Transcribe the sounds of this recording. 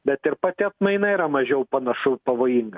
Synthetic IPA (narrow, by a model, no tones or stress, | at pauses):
bʲɛt̪ɪɾpɐt̪ʲɪɐt̪mɐɪnɐɪɾɐmɐʒʲɛʊpɐnɐʃɐʊpɐʋoːjiŋɡɐ